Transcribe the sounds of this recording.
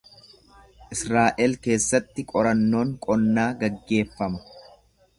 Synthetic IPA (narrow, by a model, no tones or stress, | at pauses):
ʔɪsɾaːʔɛlke̞ːsːɐt̪ːɪkʼɔɾɐnːo̞ːŋkʼɔnːaːɡɐɡːe̞ːfːɐmɐ̥